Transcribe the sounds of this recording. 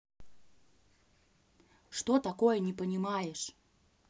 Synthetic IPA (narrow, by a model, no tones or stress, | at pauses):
ʂt̪ot̪akojənʲɪpənʲɪmajɪʂ